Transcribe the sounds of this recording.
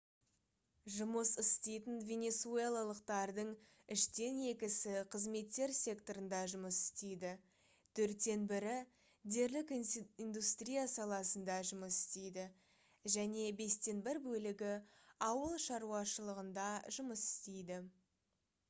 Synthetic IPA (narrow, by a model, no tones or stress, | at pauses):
ʒʊməsɪst̪ejt̪ɪnvʲe̞nʲe̞t̪sue̞lˠalˠəqt̪ɑɾd̪əɴ | ɪʃt̪e̞ne̞kʲɪsɪqʰəzme̞t̪ːe̞ɾsʲe̞kt̪o̞ɾənd̪ɑʒʊməsɪ̥st̪e̞jd̪ɪ | t̪ʰɵɾt̪ːe̞nbɪɾɪ | d̪e̞ɾlɪkind̪ust̪rʲijasɑlˠɑsənd̪ɑʒʊməsɪ̥st̪e̞jd̪ɪ | ʒæne̞be̞st̪e̞nbɪɾbɵlɪɡʲɪɑwəlˠʃɑɾuɑʃəlˠəʁənd̪ɑʒʊməsɪ̥st̪e̞jd̪ɪ